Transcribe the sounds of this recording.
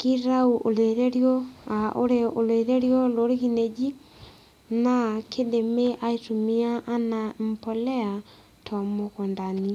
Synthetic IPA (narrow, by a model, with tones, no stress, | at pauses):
ki˦ɾa˦u˨ʔo˨le˨ðe˦ɾjɔ˦a˨o˦ɾe˦o˨lwe˨ðe˦ɾjɔ˦lo˨˦ɾe˦ɣi˦ne˨d͡ʒi˦ | na˨kʰe˦de˨me˦ʔa˦e˦to˨mi˦a˦ʔːna˨m̩pɔ˨lɛ˦a˨ | tʰɔ˨mo˨kɔ˨nda˨ni˨